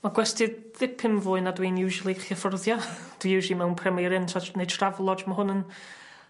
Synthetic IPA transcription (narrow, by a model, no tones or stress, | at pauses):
maɡwɛstɪd | ðɪpʰɪmvʊːɨnadwiːnjuːʒulˠiχjəfɔrðjɔd̥wijuːʒlˠimɛwnpʰrɛmiɾɪntʰɔnejtʰravlˠɔd͡ʒməɦʊnən